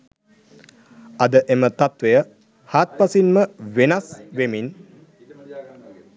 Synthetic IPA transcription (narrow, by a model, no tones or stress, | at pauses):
ɐd̪əʔemət̪at̪ʋejə | haːt̪̚pasinməʋenasʋemin